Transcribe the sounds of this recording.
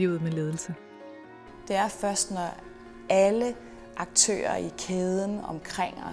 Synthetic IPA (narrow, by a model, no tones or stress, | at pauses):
ḭʊð̩ˠmele̝ːðˠl̩sə | d̥e̝æɐfɶɐsd̥nɒ | ælə | ʔɑ̈ɡ̥̚t͡sʰø̰ːɐikʰeːð̞ˠən̩ɒ̽mkʰʁeŋ̰ɒ